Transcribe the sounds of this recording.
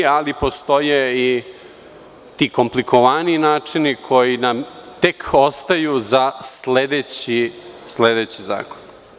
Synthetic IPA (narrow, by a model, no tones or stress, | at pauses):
alipo̞st̪o̞jei | t̪iːko̞mpliko̞ʋaniinaːt͡ʂinikʰo̞jinamt̪e̞kʰo̞st̪ajuzasled̪et͡ɕisled̪e̞ːt͡ɕiza̰ːkon